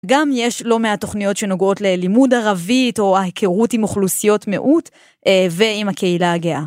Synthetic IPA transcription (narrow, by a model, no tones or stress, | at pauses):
ɡamjeʃlo̞meato̞χnijo̞tʃe̞no̞ɡo̞tle̞limudaʁavito̞hekʰeʁutimuχlusijo̞tmḛʔut | ʔeve̞imhakʰe̞ilaːɡea